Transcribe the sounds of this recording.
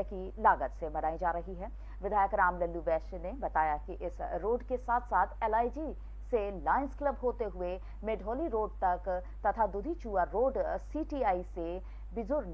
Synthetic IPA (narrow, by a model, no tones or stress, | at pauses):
kilaːɡət̪sebɐnaːid͡ʒaːɾɐɦiɦɛː | ʋɪd̪ʱaːjəkɾaːmlɐlːuʋɛːʃnebɐt̪aːjakiʔɪsɾoːɖkesaːt̪ʰsaːt̪ʰɛːlaːid͡ʒi | selaːɪnsklɐbɦoːt̪eɦʊe | meːɖʱoːliɾoːɖ̚t̪ɐk | t̪ɐt̪ʰad̪ʊd̪ʱit͡ʃuːaɾoːɖsiːʈiːaːise | bɪzʊɾ